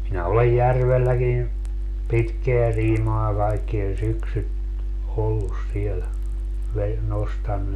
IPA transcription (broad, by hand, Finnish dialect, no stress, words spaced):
minæ olej jærʋelːækin pitkeæ siːmɑː kɑikːie syksyt olːus siel ʋe nostɑnːu